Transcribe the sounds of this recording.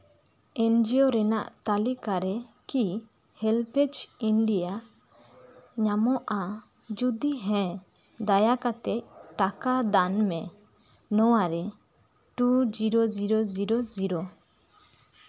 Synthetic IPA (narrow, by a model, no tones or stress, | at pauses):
ɛnd͡ʒioɾɛna̰ʔt̪alikaɾɛki | hɛlpɛt͡ʃinɖija | ɲamɔʔa | d͡ʒud̪iɦɛ̃ | d̪ajakat̪ɛcʈakad̪anmɛ | nɔwaɾɛ | ʈud͡ʒiɾɔd͡ʒiɾɔziɾɔziɾɔ